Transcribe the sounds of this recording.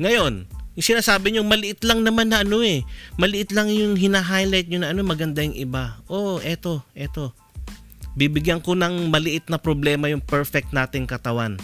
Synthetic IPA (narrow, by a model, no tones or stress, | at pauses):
ŋɐjo̞njʊŋsɪnaːsaːbɪɲoŋmɐlɪʔɪt̪lɐŋnɐmanːɐʔɐno̞ɛmɐlɪʔɪt̪lɐŋjʊŋɦɪnaːɦajlajt̪̚ɲonɐʔɐnomɐɡɐnd̪ajʊŋʔɪbaʔoʔʔɛt̪o̞ʔɛt̪o̞ | bibɪɡjanko̞nɐŋmɐlɪʔɪt̪̚nɐpɾoblɛːmɐjʊŋpɛɹfɛk̚t̪naːt̪ɪŋkɐt̪ɐwan